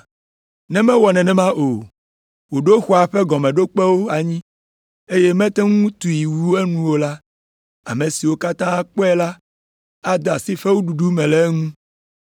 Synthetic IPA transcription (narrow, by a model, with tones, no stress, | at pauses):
nɛ̃˦mɛ̃˦wɔ˨nɛ̃˨nɛ̃˨mã˦ʔo˨ | wo˨ɖo˦xɔ˦a˨ɸɛ˦ɡɔ˨mɛ̃˨ɖo˦k͡pɛ˦wo˦a˨ɲĩ˦ | e˦je˦mɛ̃˦t̪ɛ˦ŋũ˦t̪u˨i˨wu˦e˦nũ˦wo˦la˦ | a̰˨mẽ˨si˨wo˦ka˦t̪ã˦a˦k͡pɔ˦ɛ˦la˦ | a˦d̪a˨si˦ɸe˦wu˦ɖu˨ɖu˦mɛ̃˨lɛ˦ŋũ˦